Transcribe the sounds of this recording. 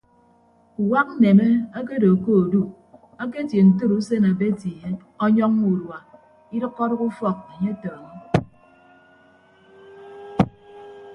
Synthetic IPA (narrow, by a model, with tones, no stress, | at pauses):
u˨wa˦k̚n̩˦ne˨me˦a˦k̬e˦do˨ko˦o˨du˦ | a˦k̬e˦tje˨n̩˨tu˦ɾu˦se˦na˨be˦tje˨e˦ | ɔ˦ɲɔ˦ŋu˨dwa˨ | i˦dɨ˦kːɔ˦ɾɔ˦ku˦fɔ˦k̚e˨ɲe˦tɔ˨ɾŋɔ˦